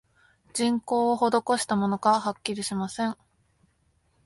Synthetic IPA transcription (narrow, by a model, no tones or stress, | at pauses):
d͡ʑĩŋko̞ːoho̞d̪o̞ko̞ɕi̥t̪amo̞no̞ɡahakʲːiɾʲiɕimasẽ̞ŋ